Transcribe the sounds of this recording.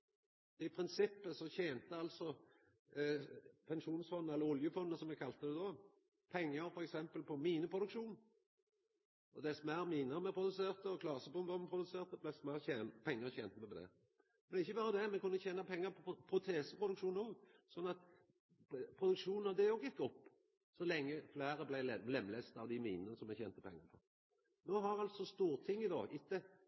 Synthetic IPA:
d̪ɛɪpʰɾɪnsɪpːəsɔçeːnt̪əɑlsɔ | pʰɛnʃuːnsfɔnd̪əɛlːəɾɔljəfɔnd̪əsɔmɛɡkʰɑlt̪əd̪ɛd̪o | pʰɛŋːəɾfɔɾɛksɛmpəlpʰɔmiːnəpʰʁʊd̪ʉkʃuːn | ɔd̪ɛsɔmæʁmiːnəmɛpʰɾʊd̪ʉseːʁt̪əɔkʰlɑːsəbʊmbɑmɛpʰɾʊd̪ʉseːʁt̪əblɛsmæçeːnpʰɛŋːəçɛ̰ːnt̪əmɛpd̪ɛ̰ | mɛnɛɪçːəbɑːɾəd̪ɛmɛkʉnːəçeːnɑpʰɛŋːəɾpʰɔpʰɾʊt̪ʰeːsəpʁʊd̪ʉkʃuːnoːɡsɔnːɑt̪ | pʰʁʊd̪ʉkʂuːnnɑd̪ɛɔɡɪk̪ːəɔpː | sɔlɛŋːəflæːɾəblæɪɛlɛmːleːst̪ɑʋd̪ɪmiːnənəsɔmɛɪçeːnt̪əpʰɛ̰ŋːəɾpʰɔ | noːɦɑʁɑlt̪sɔst̪uːʁt̪ʰɪŋːɪd̪ɑ̰ːʔɪt̪ːə

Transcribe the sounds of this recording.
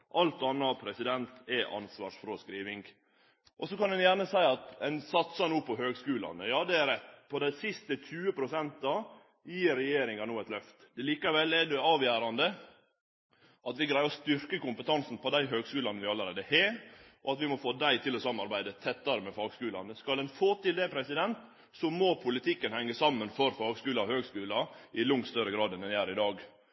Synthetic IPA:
ʔɑlt̪ɑnːɑpʰɾɛsɪd̪ɛnt̪ɛʔɑ̰nsʋɑːʂfɾɔskɾiːʋɪŋɡ | ʔɔsɔkɑnd̪ɛnjæːɳəsæɪɑt̪ɛnsɑt̪sɑnuːpʰɔɦøːɡskʉːlɑ̰nəjɑːd̪ɛæɾɛt̪ːpʰɔd̪æɪsɪst̪əc͡çʰʉːəpʰɾʊsɛnt̪ɑ | jiːɾːɛjeːɾɪŋɑnuːɛt̪lœft̪ɛliːkɑʋɛlɛɖɛɑːʋjæːɾɑnd̪ə | ɑt̪ʋɪɡɾæɪɑɔst̪ʏɾkəkʊmpət̪ʰɑnsn̩pʰɔd̪æɪɦøːɡskʉːlɑnəʋɪɑləɾeːd̪əhɛʔɔɑt̪ʋɪmɔfoːd̪æɪt̪ʰɪlɔsɑmːnɑɾbæɪd̪ət̪ʰɛt̪ːɑɾəmɛfɑːɡskʉːlɑ̰nəskɑld̪ɛnfoːt̪ɪld̪ɛpʰɾɛsɪd̪ɛnt̪ | sɔmɔpʰʊlɪt̪ʰɪkːənhɛŋːəsɑmːənfɔɾfɑːɡskʉːlɑɔhøːɡskʉːlɑʔɪlʊŋt̪st̪œɾəɡɾɑːd̪ɛnd̪ɛnjæːɾɪd̪ɑːɡ

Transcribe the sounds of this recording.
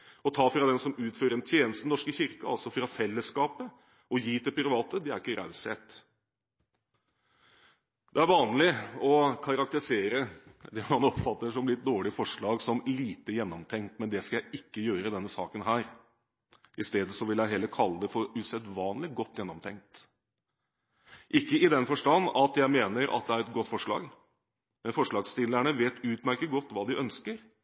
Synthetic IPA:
ɔt̪ʰɑːfɾɑd̪ɛnsɔmʉːt̪føːɾəɾɛnt̪ʰjeːnəst̪n̩nɔʂkəçɪɾkəɑlsɔfɾɑfɛlːəskɑːpə | ɔjiːd̪ɛpɾɪʋɑːt̪əd̪ɛæɾɪkːəɾɑ̰ʉsheːt̪ | d̪̥ɛæɾʋɑːnlɪɔkʰɑɾɑk̚t̪əɾɪseːɾəd̪ɛmɑnɔpfɑt̪ːəʂɔmlɪt̪̚d̪oːɭɪfɔʂɭɑːɡsɔmliːt̪əjɛnːɔmt̪ʰɛŋkt̪mɛnd̪ɛskɑjæɪʔɪkːəjøːɾəd̪ɛnːəsɑːkənɦæːɾ | ɪst̪eːd̪əsɔʋɪljæɪɦeːləkʰɑlːəd̪ɛfɔɾʉsɛd̪ʋɑːnlɪɡɔt̪ːjɛnːɔmt̪ʰɛŋt̪ | ʔɪkːəɪd̪ɛnfɔʂʈɑnːɑt̪jæɪmeːnəɾʔɑ̰t̪̚d̪ɛæɾɛt̪̚ɡɔt̪ːfɔʂɭɑ̰ːɡ | mɛnfɔʂɭɑːɡst̪ɪlːæɳəʋeːt̪ʉːt̪mæɪɪkːəɡɔt̪ːʋɑːd̪ɪʔœnskəɾ

